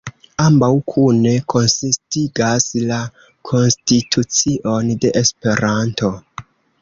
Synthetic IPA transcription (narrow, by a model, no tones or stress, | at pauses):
ambawkʰune̞kʰo̞nsistiɡasla | kʰo̞nstitʰut͡siʔo̞nde̞ʔespe̞ɾanto̞